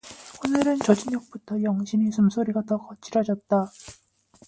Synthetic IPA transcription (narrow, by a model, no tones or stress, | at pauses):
onɯɾɯnt͡ɕʌd͡ʑiɲʌk̚p͈utʰʌjʌŋɕʰimisʰumsʰoɾiɡatʌkʌt͡ɕ͈iɾad͡ʑʌt̚t͈a